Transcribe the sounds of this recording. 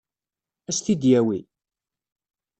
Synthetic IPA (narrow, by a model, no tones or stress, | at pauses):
æst̪id̪jæwi